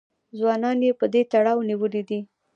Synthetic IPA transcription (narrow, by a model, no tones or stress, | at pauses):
zwɑnɑnjepəd̪et̪aɽɑwniwəlid̪i